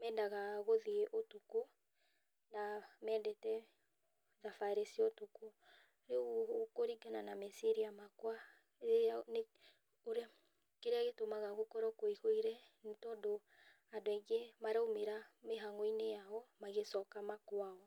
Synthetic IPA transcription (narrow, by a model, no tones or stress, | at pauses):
mɛndaɣaɣoðieʔotuko | namɛːdɛtɛ | ðafaɾesiɔtuku | ɾeookoɾiɡananamɛseɾiamakwa | eane | oɾe | keɾeaɣetomaɣaɣokɔɾɔkoihoiɾɛntɔdo | andoɛɡemaɾeomeɾameɦaŋɔinejaɔmaɣesɔkamakwaɔ